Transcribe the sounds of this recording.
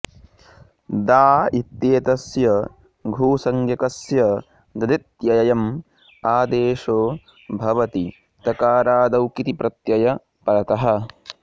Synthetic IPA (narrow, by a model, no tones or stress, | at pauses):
d̪aːit̪jeːt̪ɐsjɐ | ɡʱuːsɐŋɡjɐkɐsjɐ | d̪ɐd̪it̪jɐjɐjɐm | aːd̪eːʃoː | bʱɐʋɐt̪i | t̪ɐkaːɾaːd̪ɐwkit̪ipɾɐt̪jɐjɐ | pɐɾɐt̪ɐɦɐ̆